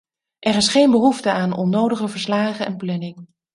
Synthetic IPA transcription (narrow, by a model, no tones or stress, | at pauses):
ʔɛɾɪsχejnbəɦuftəaːnɔnːowdəχəvəɹslaːχənɛ̰nplɛnɪŋ